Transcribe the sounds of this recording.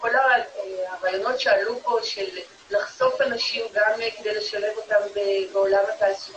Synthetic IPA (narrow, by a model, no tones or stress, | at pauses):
ko̞laaʁaːjo̞no̞tʃealupo̞ʃelː | aχso̞fanaʃimɡamked̪e̞jle̞ʃale̞vo̞tambebeolamataːlsu